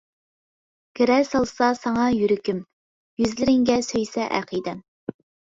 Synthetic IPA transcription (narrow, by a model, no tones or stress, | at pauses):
kʰʲeɾɛsɑlˠsɑsɑŋɑjyɾɪkʲym | jyzlɪɾɪŋɡʲɛsøjsɛʔæ̰qʰijd̪ɛ